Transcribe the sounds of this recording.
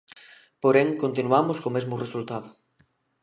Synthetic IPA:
poɾeŋkont̪inuamʊskomezmʊresult̪aðʊ

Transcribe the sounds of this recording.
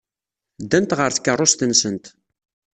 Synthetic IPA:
d̪ːænt̪ʁəɾθkːərˤːost̪ənsənt̪

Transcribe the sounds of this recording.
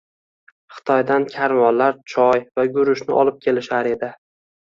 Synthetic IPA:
χɨ̥t̪ʰɒjd̪ankʲʰaɾmɒllːaɾt͡ʃʰɒjvaɡʊɾʊʃnɪʔɒlˠɪp̚kʲʰe̞lɪʃaɾe̞d̪ɪ

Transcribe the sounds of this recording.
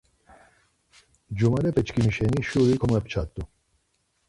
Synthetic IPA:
d͡ʑumɐɾepet͡ɕkimiɕeniɕuɾikʰomɐpt͡ɕʰa̰ːt̪ːu

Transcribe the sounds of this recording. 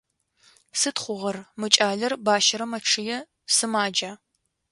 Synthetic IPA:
sɨtχʷʊʁɐrmɨt͡ʃʼaːɮɐrbaːʃɐɾɐmɐʈ͡ʂʰɨjɛ | sɨmaːd͡ʒaː

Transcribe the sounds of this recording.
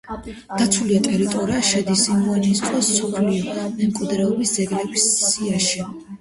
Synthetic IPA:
d̪̥at̪sʰuliat̪ʼɛɾit̪ʼɔɾiaʃɛd̪isimuanist̪ʼwasɔpʰliɔmɛmkʼwid̪ɾɛɔbisd̪zɛɡɾɛbisːiaʃi

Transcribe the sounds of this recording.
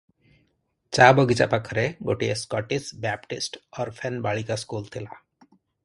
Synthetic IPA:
t͡ʃabɔɡit͡ʃa̰pakʰɔɾɛɡo̰ʈijeskɔʈisbɛp̚ʈisʈɔɾpʰɛnbaɭikaskult̪ʰila

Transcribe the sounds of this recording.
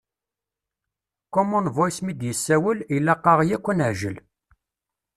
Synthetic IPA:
kɔmʊnvojsmid̪jəsːæwəlilːæqːɑʁjækʷːənəʕʒə̰l

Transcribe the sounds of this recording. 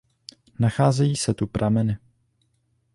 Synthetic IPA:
naxaːzɛjiːsɛt̪upɾʔamɛnɪ

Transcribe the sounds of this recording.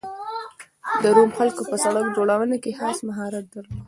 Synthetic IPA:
d̪əɾomxalkopəsaɽəkd͡ʒoɽawənakexɑsmaɦɑɾat̪̚d̪əɾlo

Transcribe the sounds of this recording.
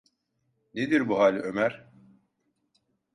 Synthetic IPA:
ned̪iɾbuɦaːlʲømæɾ

